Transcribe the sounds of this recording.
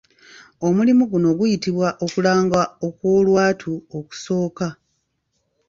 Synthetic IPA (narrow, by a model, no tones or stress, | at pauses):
o̞mulimuɡuno̞ɡujitiβwaʔo̞kulaːŋɡaokwoːlwaːtʰuoku̥so̞ːka